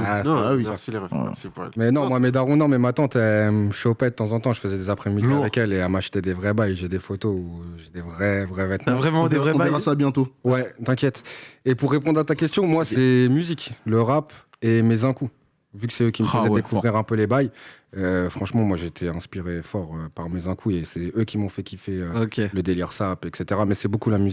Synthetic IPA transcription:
ãwisileɛ̰sipmɛnɔ̃mwamed̪aʁũnɔ̃mɛmat̪ɑ̃t̪ɛməʃɔpɛd̪ət̪ɑ̃zɑ̃t̪ɑ̃ʒəfəzɛd̪ezapχɛmid̪iavɛkɛleɛmaʃt̪ɛd̪evʁɛbajʒed̪efot̪ouʒed̪evʁɛvʁɛvɛt̪mɑ̃vʁɛmɑ̃d̪evʁɛ̃ad̪iʁasabjɛ̃t̪owɛt̪ɛ̃kʲjɛt̪epuʁːepɔ̃d̪ʁat̪akʲɛst̪jɔ̃mwasɛmyzikləʁap | emezɛ̃ku | vykə̥sɛøkʲiməəzɛd̪ekuvʁiʁɛ̃pølebajøfχɑ̃ʃmɑ̃mwaʒeːt̪ʰeɛ̃spiʁefɔʁøpaʁmezɛ̃kʰuesɛøkʲimɔ̃fɛkʲifɛøokʲeləd̪eliʁsapɛkset̪eʁamɛsɛbokulamyzik

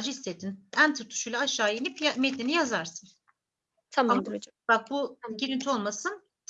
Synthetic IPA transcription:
d͡ʒiist̪et̪ʰːinænt̪ʰuɾt̪ʰːu̥ʃujlˠaːʃːaːjenipjamet̪lʲinijazaɾsɯn | t̪ʰaam | bak̚bujanɟiɾint̪ʰio̞lˠmasɯn

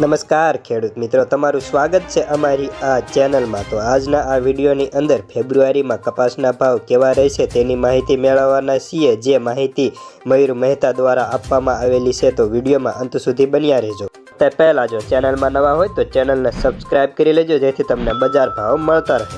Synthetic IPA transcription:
nəməskaɾkʰeɽut̪mɪt̪ɾot̪əmaɾũsʋaɡət̪̚t͡ʃʰeʔəmaɾiat͡ʃɛnəlmãt̪oad͡ʒnaʔaʋiɖijoniʔənd̪əɾpʰebɾuaɾimãkəpasnabʱaʋkeʋaɾəɦɛʃʰet̪enimaɦit̪imɛɭəʋːanaʃied͡ʒemaɦit̪iməiɾməɦit̪ad̪ʋaɾaapʋamãaʋelit͡ʃʰet̪oʋiɖijomã̰ʔə̃nt̪sud̪ʱibənjaɾəɦd͡ʒo | t̪epɛɦlãd͡ʒot͡ʃɛnəlmãnəʋãɦojt̪ot͡ʃɛnəlnesəbskɾajb̚kəɾiləd͡ʒod͡ʒet̪ʰit̪əmnebəd͡ʒaɾbʱaʋməɭt̪aɾəɦe

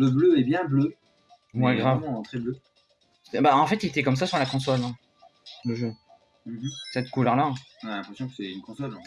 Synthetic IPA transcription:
ləbløɛbjɛ̃blø | wɛɡʁavɑ̃ɑ̃t̪χɛblø | se̥t̪ɛbaɑ̃fɛt̪ilet̪ɛkɔms̬asyʁlakɔ̃s̬ɔlɛ̃ | ləʒø | m̩m̩sɛt̪ə̥kulœʁlaɛ̃ɔ̃nalɛ̃pχɛsjɔ̃kə̥sɛynkɔ̃sɔlɑ̃

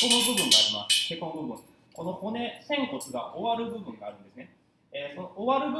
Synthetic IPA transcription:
o̞nobɯ̟bɯ̟̃ŋɡaːɾʲimasɨ̥kekonobɯ̟bɯ̟̃ŋ | ko̞no̞ho̞ne̞sẽ̞ŋko̞t͡sɨɡaʔoβaɾɯ̟bɯ̟bɯ̟̃ŋɡaːɾɯ̟̃nd̪e̞sɨne̞ | eso̞nooβaɾɯ̟bɯ

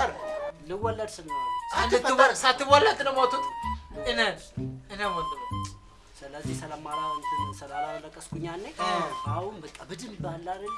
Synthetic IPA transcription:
əɾlɨwɔlːəd̪sɨnːəwandɨt̪ːɨsat̪ːɨβɔlːat̪ɨnəwmot̪ʰːut̪ʼɨnənɨnəmot̪ːɨl | sɨləzːihsələmalasəlalaləkʼːəskʰuɲanːəahunbət̪ʼabɨd̪ɨmbalːaɾɨn

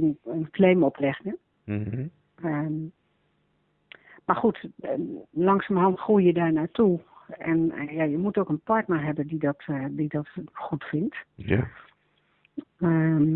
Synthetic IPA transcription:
nənkleːmɔpʰlɪxnə | marxut | lɑŋsamhɔntχujjədanaːtʰuɛ̰njajəmutoːkənpɔɹtnəɦɛbəndidɔtdidɔtxutfɪnt | ə

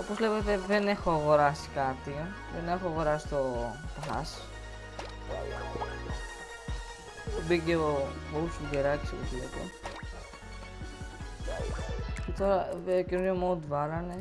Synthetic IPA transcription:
opo̞zlepet̪e̞ðe̞ne̞xoɐɣo̞ɾɐsi̥kɐt̪i | ðene̞xoɐɣo̞ɾɐsi̥t̪o̞pxɐs | ubiceoousfud̪eɾɐci̥sopot̪lḛt̪ḛ | cet̪o̞ɾɐcenunomod̪vɐlɐne

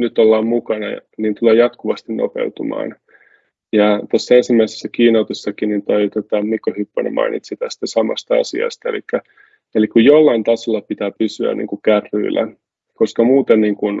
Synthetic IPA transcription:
nyt̪ːolːɑːmmukɑnɑ̰niːnt̪uleːjɑt̪kuʋɑst̪inno̰pḛut̪umɑ̰ːn | jɑt̪osːensimːæisesːækiːnɑut̪usːɑkinint̪ojt̪ot̪ɑmikːohypːonḛmʔɑ̰inḭt̪sit̪æst̪æsɑmɑ̰st̪ɑɑ̰sḭɑ̰st̪ɑelikːæ | elikkujjolːɑint̪ɑsolːɑpit̪æːpysyæ̰nʔḭːŋkukærːy̰ːlːæ̰ | koskɑmuːt̪enniːŋkun

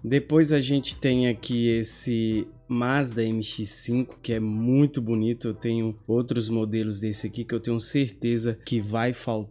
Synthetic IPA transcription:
d̪epojzaʒẽnt͡ʃɪ̥t̪ẽj̃akʰiesɪ | mazd̪ɐẽmɪʃisĩŋkʊ̥kɪɛmũj̃t̪ʊbunit̪ʊewt̪ẽɲʊowt̪ɾʊzmod̪elʊzd̪esɪakikɪewt̪ẽɲ̃ʊseɾt̪ezɐkɪvajfawt̪

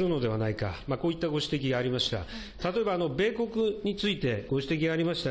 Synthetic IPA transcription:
ɾɯ̟no̞d̪e̞βanaika̰mako̞ːit̪ːaɡo̞ɕi̥t̪e̞kʲiɡaːɾʲimaɕi̥t̪a̰ | t̪at̪o̞e̞baːno̞be̞ːko̞kɯ̟ɲ̟it͡sɨit̪e̞ɡo̞ɕi̥t̪e̞kʲiɡaːɾʲimaɕi̥t̪a

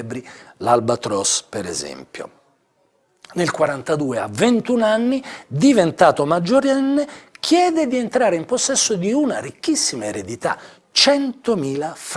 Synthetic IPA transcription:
bɾilalbat̪ɾɔspeɾḛzɛ̰mpjo̰ | nelkwaɾant̪ad̪uːea̰vːent̪unanːid̪ivent̪aːt̪omad͡ʒːoɾɛnːek̟ʰjɛːd̪ed̪ient̪ɾaːɾeimposːɛsːod̪iunaɾikːisːimaeɾed̪it̪a̰ | t͡ʃɛnt̪omiːlaf

